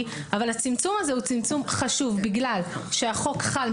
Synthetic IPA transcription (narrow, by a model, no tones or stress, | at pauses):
avalhat͡simt͡sumaze̞ut͡simt͡sumχaʃuvbiɡlalʃeaχo̞kχal